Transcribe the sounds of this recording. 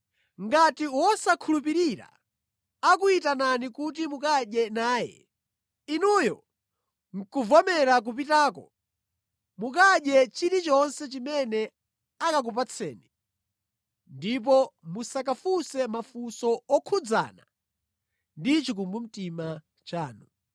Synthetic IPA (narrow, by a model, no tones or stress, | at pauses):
ŋɡatiwɔsakʰulup̬iɾiɾa̰ | akuitananikutimukaɗɛnaːjɛ̰ | inujɔ̰ | ŋ̩kuvɔmɛɾak̬up̬itaːkɔ | mukaɗjɛt͡ʃiɾit͡ʃɔnsɛt͡ʃimɛnɛ | akak̬upat͡sʰɛ̰ːni | ndip̬ɔmusak̬afusɛmafusɔɔkʰud͡za̰na | ndit͡ʃik̬umbum̩tima | t͡ʃaːnu